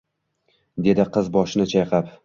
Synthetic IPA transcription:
d̪e̞d̪ɪqʰɨzbɒʃɪnɪt͡ʃʰajqʰɑp

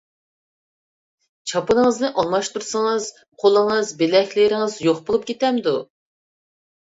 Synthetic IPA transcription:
t͡ʃʰɑpɨnɨŋəznɨʔɑnlˠɑʃt̪uɾsɨŋɨz̥ | qʰolˠəŋɨzbelɛkʲlɪɾɪŋɨzjoχbolˠɨp̚kʲʰet̪ɛmd̪u

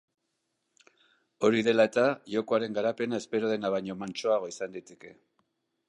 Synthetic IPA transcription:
o̞ɾiðe̞laet̪aʝo̞ko̞aɾe̞ŋɡaɾape̞nae̞spe̞ɾo̞ð̞e̞naβ̞ajɲo̞mant͡ʃo̞aɣ̞o̞isand̪it̪eke̞

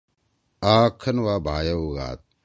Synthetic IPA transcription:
aːkʰːɐnwaːbʱaːjɐuɣa̰ːt̪̚

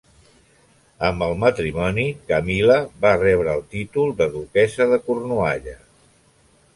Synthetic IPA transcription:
əmbəlˠmət̪ɾimɔnikəmiləβarɛβ̞ɾəːlˠt̪it̪ulˠd̪əðukɛzəðəkurnuaʎə

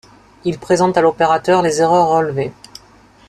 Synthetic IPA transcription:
ilpχezɑ̃t̪alopeʁat̪œʁlezeʁœʁɔlve

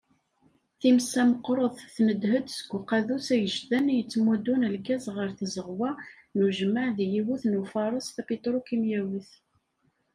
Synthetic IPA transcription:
θimsæməqɾˤoðˤθnəd̪həd̪sə̥ɡʷːʊqæðusæjəʒðænjət͡sːmud̪unəlkæzʁəɾθzəʁwæ | nuʒəmːaʕðijiwuθnufɑɾˤəsˤθæpit̪ɾˤukimjæwiθ

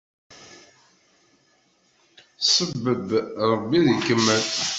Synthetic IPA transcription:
səbːəbɾˤəbːiðikːəmːəl

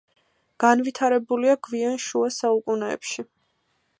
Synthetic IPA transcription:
ɡ̥anvit̪ʰaɾɛbuliaɡvianʃuasaukʼunɛ̰ːpʃi

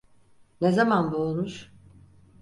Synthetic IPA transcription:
nezamanbulˠnuʃ

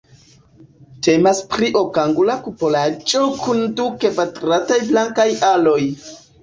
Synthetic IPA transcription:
temaspɾiʔokaŋɡulakupolat͡ʃʼokʰundukepatɾatajblaŋkajʔaloj

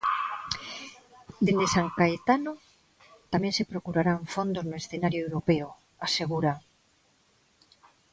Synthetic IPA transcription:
d̪end̪esaŋkaet̪ano | t̪amɛ̃ŋsepɾokuɾaɾaɱfond̪oznoesθenaɾjoewɾopeo | aseɣ̞uɾa

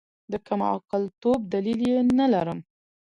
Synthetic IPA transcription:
d̪əkamɑ̰qəlt̪ob̚d̪aliljenalaɾəm

